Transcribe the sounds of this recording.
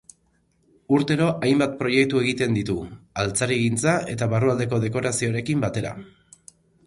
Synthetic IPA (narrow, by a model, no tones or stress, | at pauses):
uɾt̪e̞ɾo̞ʔajmbat̪̚pɾo̞je̞kt̪ue̞ɣit̪e̞nd̪it̪ualt͡saɾiɣint͡sae̞t̪aβaruald̪e̞ko̞ðe̞ko̞ɾasio̞ɾe̞kimbat̪e̞ɾa̰